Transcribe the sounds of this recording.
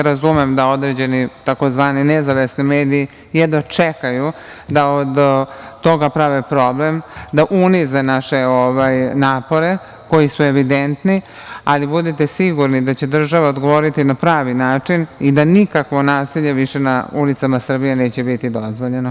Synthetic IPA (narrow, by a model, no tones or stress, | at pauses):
ɾazumemd̪ao̞d̪ɾed͡ʑe̞nit̪ako̞zʋaːninezaʋesnimeːd̪iji | jɛd̪at͡ʂekajud̪aod̪t̪o̞ɡapɾaʋepɾo̞blemd̪aʔunizenaʃe̞oʋajnaːpo̞ɾe̞ | ko̞jisue̞ʋid̪ent̪ni | alibud̪it̪esiɡuɾnid̪at͡ɕe̞d̪r̩ʒaʋaod̪ɡo̞ʋo̞ɾit̪inapɾaːʋinaːt͡ʂinid̪anikakʋo̞naːsiʎeʋiʃe̞naulit̪samasr̩bije̞ne̞ːt͡ɕe̞bit̪id̪o̞zʋoʎe̞no